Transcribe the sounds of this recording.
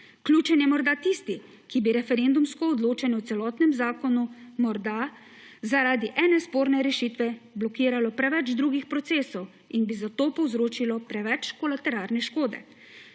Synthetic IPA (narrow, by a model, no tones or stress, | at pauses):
klʲjuːt͡ʃɛnjɛmɔɾd̪at̪ist̪i | kibiɾɛfɛɾend̪umskɔːd̪loːt͡ʃanjɛwt̪sɛlɔːt̪nɛmzaːkɔnumɔɾd̪a | zaɾaːd̪iʔɛːnɛspoːɾnɛɾɛʃiːt̪ʋɛblɔkiːɾalɔpɾɛʋɛd͡ʒd̪ɾuːɡixpɾɔt̪seːsɔw | inbizat̪oːpɔwzɾoːt͡ʃilɔpɾɛʋɛt͡ʃkɔlat̪ɛɾaːɾnɛʃkoːd̪ɛ̰